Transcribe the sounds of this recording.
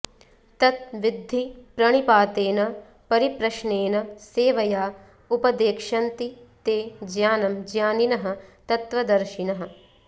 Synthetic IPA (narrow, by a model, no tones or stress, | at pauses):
t̪ɐt̪̚ʋid̪ʱːipɾɐɳ̃ipaːt̪eːnɐ | pɐɾipɾɐʃɳeːnɐseːʋɐjaː | upɐd̪eːkʂɐnt̪it̪eːd͡ʒjaːnɐmd͡ʒjaːninɐɦɐ̆t̪ɐt̪ʋɐd̪ɐɾʃinɐɦɐ̆